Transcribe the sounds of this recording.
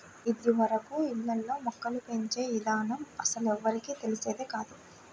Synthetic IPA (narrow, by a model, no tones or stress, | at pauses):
id̪iʋɐɾɐkuinːɐlːoːmɔkːɐlupe̞ɲt͡ʃe̞ːid̪aːnɐmɐsɐlɛʋːɐɾikiːt̪e̞lise̞ːd̪ekaːd̪u